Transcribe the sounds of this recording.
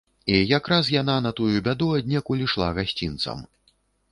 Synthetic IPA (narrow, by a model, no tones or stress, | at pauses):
ijakɾas̬jananɐt̪ujubʲad̪uɐd̪ʲnʲɛkulʲiʂlˠa̰ɣasʲt͡sʲint̪sɐ̰m